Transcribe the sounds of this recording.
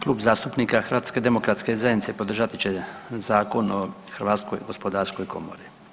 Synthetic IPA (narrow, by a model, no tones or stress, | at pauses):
klˠuːbzaːst̪upniːkaxɾʋaːt̪ske̞d̪emo̞kɾat̪skezajd̪nit̪sepo̞d̪r̩ʒat̪it͡ɕe̞zaːko̞no | xəɾʋaːt̪sko̰jɡospod̪aːɾsko̞jkʰo̞̰mo̞̰ɾi